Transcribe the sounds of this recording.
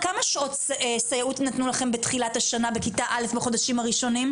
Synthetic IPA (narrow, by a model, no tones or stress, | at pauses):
kamaʃotsesajautnatnulaχe̞mbetχilathaʃanabekitaʔale̞fbeχo̞daʃimaʁiʃo̞nim